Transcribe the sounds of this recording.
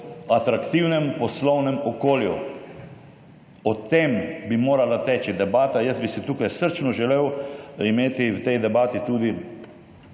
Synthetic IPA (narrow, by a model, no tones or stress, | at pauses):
at̪ɾakt̪iwnɛmpɔslɔwnɛmɔkoːljṵ | ɔt̪embimoːɾalat̪ɛːt͡ʃid̪ɛbaːt̪ajəsbisit̪uːkajsəɾt͡ʃnɔʒɛleːwimeːt̪iwt̪ɛjd̪ɛbaːt̪it̪uːd̪i